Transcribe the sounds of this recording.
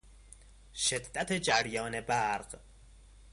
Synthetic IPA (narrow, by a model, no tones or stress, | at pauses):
ʃed̪ːæt̪ʰed͡ʒæɾjɒːne̞bæɾɢ